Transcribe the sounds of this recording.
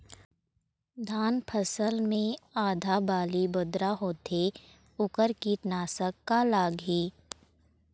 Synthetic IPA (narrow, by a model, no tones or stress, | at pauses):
d̪ʱaːnpʰəsəlmẽaːd̪ʱaːbaːlibʊd̪ɾaɦoːt̪ʰe | ʊkəɾkiʈnaːsəkːalaːɡɦiː